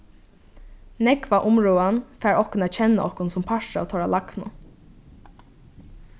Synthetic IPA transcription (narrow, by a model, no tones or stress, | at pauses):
nɛkvaʔʊmɹuːanfæːɹɔhkʊnæːt̪t͡ɕʰɛnːa̰ʔɔ̰hkʊnsʊmpʰaʂa̰t̪ʰɔɹalaknʊ